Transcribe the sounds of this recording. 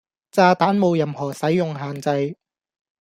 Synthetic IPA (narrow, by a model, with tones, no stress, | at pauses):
t͡saː˧t̪aː˨˥nmo˨˧wjɐ˨˧mhɔː˨˩sɐ˨˥jːʊ˨ŋɦaː˨nt͡sɐ˧j